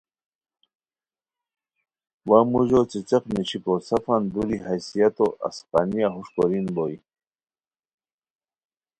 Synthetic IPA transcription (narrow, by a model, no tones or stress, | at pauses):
wamuʑot͡sit͡seqnit͡ɕikosafand̪uɾiɦajsijat̪oʔa̰sqɑ̰nijaɦuʂkoɾinboj